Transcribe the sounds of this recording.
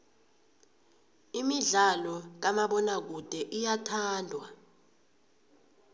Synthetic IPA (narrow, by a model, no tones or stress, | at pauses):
imiɮalɔk̬amaɓɔnak̬ud̥ʱɛʔijatʰaːndʱwa